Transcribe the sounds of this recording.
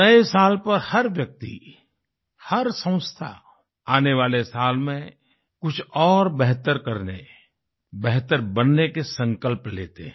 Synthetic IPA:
nəesaːlpɐɾhɐɾʋjɐk̚t̪ḭ | hɐɾsə̃ʊ̃st̪ʰa̰ | aːneʋaːlesaːlmẽ | kʊt͡ʃʰɔːɾbɛɦt̪əɾkəɾne | bɛɦt̪əɾbənːekesə̃ŋkəlplḛːt̪e

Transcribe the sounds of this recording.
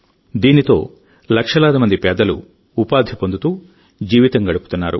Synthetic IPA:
d̪iːnit̪o̞̰ː | lɐkʂɐlaːd̪imɐnd̪ipɛːd̪ɐlṵː | paːd̪ʱjipo̞nd̪ut̪uː | d͡ʒiːʋit̪ɐŋɡɐɽupu̥t̪unːaːɾṵ

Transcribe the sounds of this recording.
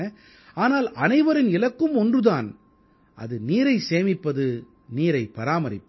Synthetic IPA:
ɐ | aːnaːlɐnɐɪʋɐɾɪnɪlɐkːɯmɔndrɯðaːn | ʔɐ̰ðɯniːɾɐɪseːmɪpːɐðɯ | niːɾɐɪpːɐɾaːmɐɾɪ̰pː

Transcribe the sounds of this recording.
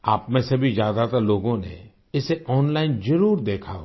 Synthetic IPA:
aːpmẽsɐbʱizjaːd̪at̪əɾloːɡõnḛ | ɪseʔɔːnlaːɪnzɐɾuːɾd̪eːkʰaɦo

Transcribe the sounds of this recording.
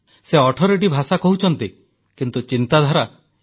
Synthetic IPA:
seɔʈʰɔɾeʈ̬ibʱasakɔɦut͡ʃʰɔnt̪i | kint̪ut͡ʃint̪ad̪ʱaɾa

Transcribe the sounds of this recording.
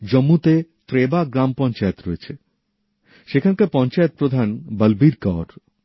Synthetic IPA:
d͡ʑomːut̪et̪ɾebaɡɾampɔnt͡ɕaet̪ɾoet͡ɕʰe | ʃekʰankapɔnt͡ɕaet̪̚pɾod̪ʱanbəlbiɾkɔɾ

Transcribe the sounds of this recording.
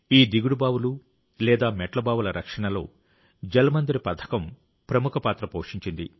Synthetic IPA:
iːd̪iɡuɽubaːʋulu | lɛːd̪aːmɛʈlɐbaːʋulɐɾʔɐkʂɐɳɐlo̞ː | d͡ʒɐlɐmɐnd̪iɾipɐt̪ʰɐ̥kɐm | pɾɐmukʰɐpaːt̪ɾɐpoːʂiɲt͡ʃind̪i

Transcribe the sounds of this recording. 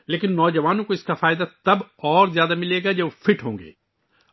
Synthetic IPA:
leːkɪnːɔːd͡ʒɐʋaːnõkoɪskafaːɪd̪at̪ɐbɔːɾzjaːd̪amɪleːɡad͡ʒɐbfɪʈʰɦõːŋɡḛː

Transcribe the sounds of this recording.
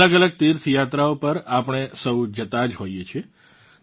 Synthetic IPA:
əɡələɡ̚t̪iɾt̪ʰjat̪ɾaopəɾapəɳ̃esəwd͡ʒət̪ad͡ʒɦojet͡ʃʰie

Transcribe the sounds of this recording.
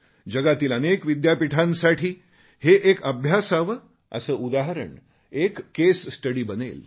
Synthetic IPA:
d͡ʑəɡat̪iːlənekʋid̪japiʈʰãnsaʈʰiː | heʔekəbʱjasaʋ | ə̰səːud̪aɦəɾə̰ɳ | ekːessʈəɽiːbənḛl

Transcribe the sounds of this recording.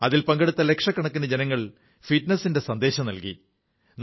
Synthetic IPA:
ɐðilpɐŋɡeɽut̪ːɐle̞kʂɐkːɐɳɐkːinɐd͡ʑe̞nɐŋːɐɭ | fiʈnɐsːinde̞sɐnd̪e̞ːɕɐmnɐlkḭ | n

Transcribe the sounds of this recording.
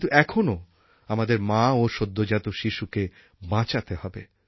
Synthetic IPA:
int̪uʔɛkʰono | amad̪eɾmãoʃod̪ʱːod͡ʑat̪oʃiʃuke | bãt͡ɕat̪eɦɔbḛ

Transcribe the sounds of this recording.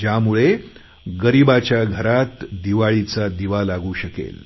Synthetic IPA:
d͡ʑjamuɭe | ɡəɾibat͡ɕjaɡʱəɾat̪d̪iʋaɭit͡sad̪iʋalaɡuːɕəkḛl

